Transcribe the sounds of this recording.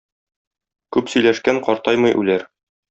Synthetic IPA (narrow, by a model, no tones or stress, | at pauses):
kʉpsɵ̆jlæʃkæɴqɒɾt̪ɑjmɤjʔʉ̰læɾ